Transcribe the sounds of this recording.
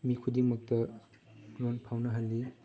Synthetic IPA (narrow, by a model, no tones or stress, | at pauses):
mikʰudiŋmɐk̚tɐ | ɾonpʰawnɐɦɐlːi